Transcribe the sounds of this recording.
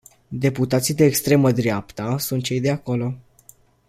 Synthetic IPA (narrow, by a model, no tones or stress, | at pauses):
d̪e̞put̪at̪sijd̪e̞ːkst̪ɾe̞məd̪ɾeapt̪əsunt̪̚t͡ʃe̞jd̪e̞ako̞lo̞